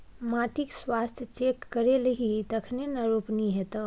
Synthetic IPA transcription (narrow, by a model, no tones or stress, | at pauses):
maʈikswast̪ʰjət͡ʃekːəɾelɦit̪əkʰnenəɾopniɦet̪ə